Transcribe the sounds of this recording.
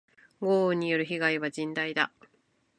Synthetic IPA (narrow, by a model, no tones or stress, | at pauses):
ɡoːɲ̟ːijoɾɯ̟çiɡaiβad͡ʑĩnd̪aid̪a